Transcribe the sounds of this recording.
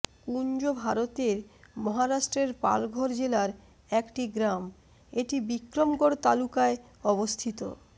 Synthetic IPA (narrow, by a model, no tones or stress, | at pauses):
kuɲd͡ʑobʱaɾot̪eɾmɔɦaɾaʃʈɾeɾpa̰lɡʱoɾd͡ʑelaɾ | ɛkʈiɡɾam | eʈibikɾomkoɾt̪alukae | ɔbost̪ʰit̪o̰